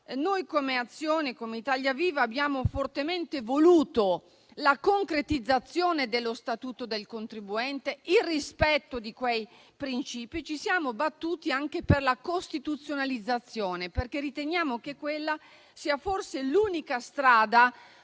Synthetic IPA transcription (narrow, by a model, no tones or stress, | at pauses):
nojkomeat̪sːjoːnekomeit̪aʎjaviːvaːbːjaːmofort̪ement̪evoluːt̪o | lakoŋkɾet̪id̪zːat̪sːjoːned̪elːost̪at̪uːt̪od̪elkont̪ɾibuɛnt̪eilrispɛt̪ːod̪ikwej | pɾint͡ʃiːpit͡ʃisjaːmobat̪ːuːt̪iaŋkeperlakost̪it̪ut̪sːjonalid̪zːat̪sːjoːneperkerːit̪enjaːmokekːwelːa | siːaforseluːnikast̪ɾaːd̪a